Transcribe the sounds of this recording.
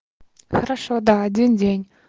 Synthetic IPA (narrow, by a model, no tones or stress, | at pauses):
xaɾaʃod̪aːd̪ʲindʲenʲ